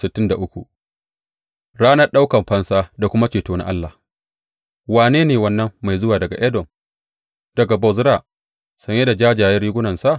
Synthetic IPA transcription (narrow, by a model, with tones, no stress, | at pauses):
sɪ˨tːɪ˦nda˨ʔʊ˦kʷu˨ʔ | ɽaː˦nɐ˦rɗa˦wkɐ˨mɸɐ˦nsaː˦da˨kʷʊ˦ma˦t͡ʃeː˨toː˦na̰˦ʔa˦lːa˨h | waː˨neː˦neː˨wɐ˦nːɐ˦mːa˨jzʊ˦waː˨dɐ˨ɡa̰˨ʔɛ˦dɔ˨m | d̥ɐ˨ɡa˨bɔ˨zɾa˦˨ | sɐ˨ɲ˦e˦da˨d͡ʒaː˦d͡ʒaː˨jɐ˦riː˦ɡʷʊ˦nɐ˨nsa˦ʔ